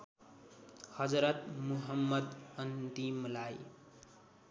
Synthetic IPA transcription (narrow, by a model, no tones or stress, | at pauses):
hʌd͡zɾʌt̪muɦʌmːʌd̪ʌnt̪imlaj